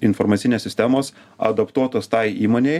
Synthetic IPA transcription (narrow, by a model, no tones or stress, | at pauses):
ɪnfoɾmɑt̪ʲɪnʲeːsʲɪsʲt̪ʲɛmoːs | ɐ̰d̪ɐpt̪uɔt̪oːst̪ɑɪiːmoːnʲɛɪ